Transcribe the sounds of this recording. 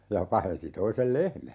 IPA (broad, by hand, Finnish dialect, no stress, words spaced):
jɑ pɑhensi toisel lehmæ